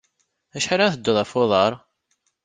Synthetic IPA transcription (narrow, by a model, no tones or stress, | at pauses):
æʃħaɾaθəd̪ːoðˤɑfoðˤɑɾˤ